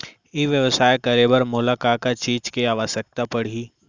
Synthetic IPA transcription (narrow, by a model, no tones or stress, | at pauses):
eʋjəʋəsaːekɐɾeːbəɾmʊlakakat͡ʃiːd͡ʒkeaːʋəsək̚t̪apɐɽ̤iː